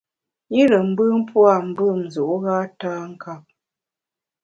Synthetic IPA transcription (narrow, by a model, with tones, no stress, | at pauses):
i˦lə˨m̩˦bɨ˦m̩˦pwa˦˨m̩˨bɨ˦˨m˨zu˨ʔɣa˦ta˦ŋ̩˦ka˦˨p̚